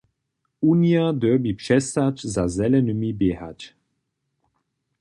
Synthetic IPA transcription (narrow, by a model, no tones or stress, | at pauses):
uniad̪ɛbipʂɛst̪at͡ʃzazɛlɛnəmibjɛɦa̰t͡ɕ